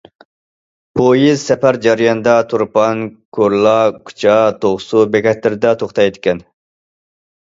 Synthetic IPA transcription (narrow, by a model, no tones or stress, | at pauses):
pʰojizsɛpæɾd͡ʒɑɾijɑnɨd̪ɑt̪ʰuɾpɑnkʰoɾlˠɑkʰy̥t͡ʃʰɑt̪ʰoʁʊsubɛkʰʲɛt̪lɪɾɪd̪ɛt̪ʰoχt̪ɑjed̪ɪkʲɛn